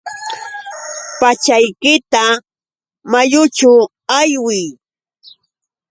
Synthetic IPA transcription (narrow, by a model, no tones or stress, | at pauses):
pat͡ʃajkɪt̪a | majʊt͡ʃʊ | ajwɪj